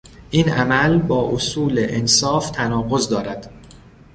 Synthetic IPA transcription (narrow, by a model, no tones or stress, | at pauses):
ʔiːnʔæmælbɒːʔosuːleʔensɒːft̪ʰænɒːɣo̞zd̪ɒːɾæd̪̥